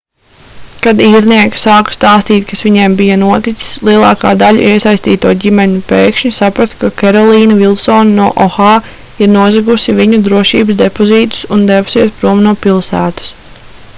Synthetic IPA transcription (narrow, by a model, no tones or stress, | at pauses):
kad̪iːɾniɛki̥sɑːkst̪aːst̪iːt̪̚ʲkasʋiɲembijɐnuɔt̪it̪si̥slˠiɛlˠɑːkaːd̪aʎṵʔiɛsajst̪iːt̪uɔːɟʲimɛɲupeːkʃɲusapɾat̪kakɛɾɔlˠiːnɐvilˠsɔːnnuɔʔɔxɑː | iɾnuɔzaɡusiviɲud̪ɾuɔʃḭːbəsd̪epɔziːt̪u̥sund̪evu̥siɛspɾuɔmnuɔpilˠsæːt̪ɐ̥s